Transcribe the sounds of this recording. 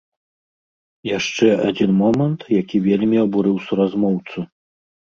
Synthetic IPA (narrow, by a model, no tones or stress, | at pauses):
jaʂt͡ʂɛad͡zʲinmɔmɐnt̪jakʲivʲelʲmʲiɐbuɾɨwsuɾazmɔwt̪su